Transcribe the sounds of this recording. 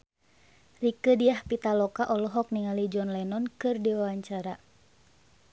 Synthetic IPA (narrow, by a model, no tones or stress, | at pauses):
rikədiahpit̪alɔkaʔɔlɔɦɔk̚niŋalid͡ʒɔnlɛnɔnkɨrdiwawaɲt͡ʃaɾa